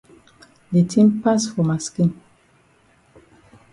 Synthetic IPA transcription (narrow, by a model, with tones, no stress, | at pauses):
de˨tʰĩ˦mpasfɔ˨ma˨skĩ˦n